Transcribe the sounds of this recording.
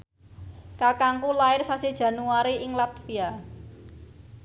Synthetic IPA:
kakaŋkulaɪrsasid̥ʒ̥ä̤nuaɾiʔɪŋlat̪fia

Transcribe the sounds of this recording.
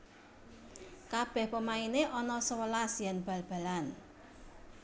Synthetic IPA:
kab̥ɛ̤hpəmaineʔɔnɔsəwəlasjanb̥a̤lb̥a̤lan

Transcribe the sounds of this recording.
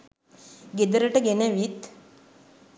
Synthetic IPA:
ɡed̪əɾəʈəɡenəʋit̪

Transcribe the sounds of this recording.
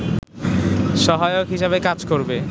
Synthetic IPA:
ʃɔɦajokɦiʃaβekad͡ʑkoɾbe

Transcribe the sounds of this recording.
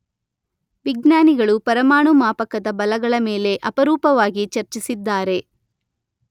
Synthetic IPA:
ʋiɡnjaːniɡɐɭupɐɾɐmaːɳumaːpɐkːɐd̪ɐbɐlɐɡɐɭɐmeːle̞ʔɐpɐɾuːpɐʋaːɡit͡ʃɐɾt͡ʃisid̪ːaːɾe̞

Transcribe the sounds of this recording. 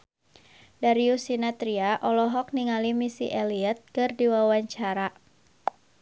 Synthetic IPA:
daɾiusinat̪ɾiaʔɔlɔɦɔk̚niŋalimisiʔeliɛt̪̚kɨrdiwawaɲt͡ʃaɾa

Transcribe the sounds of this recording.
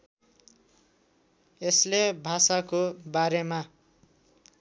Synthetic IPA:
eslebʱasakobaɾema

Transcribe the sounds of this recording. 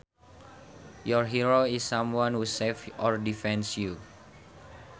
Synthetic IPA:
jɔɹɦiɹoisːãmwãnhusefɔɹdifɛ̃nsju

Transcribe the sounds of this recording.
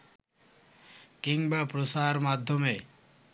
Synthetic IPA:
kiŋbapɾosaɾmad̪ʱːome

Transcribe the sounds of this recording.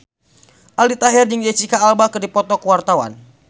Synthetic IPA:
ʔalit̪aɦɪrdəŋd͡ʒet͡ʃikaːlbakɨrdipɔt̪ɔkəwart̪awa̰n

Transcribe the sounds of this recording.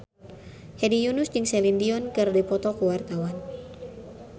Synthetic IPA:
hɛdijunusd͡ʒɨŋsɛlindiɔnkɨrdipɔt̪ɔkuwart̪awan

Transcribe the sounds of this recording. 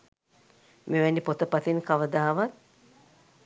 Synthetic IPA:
meʋɛnːipot̪əpat̪inkaʋəd̪aːʋat̪̚

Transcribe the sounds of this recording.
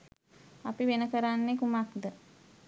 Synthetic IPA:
apiʋenəkəɾanːekumakd̪ə

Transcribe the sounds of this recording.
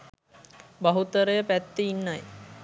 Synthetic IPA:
baɦut̪əɾəjəpæt̪ːeinːaj

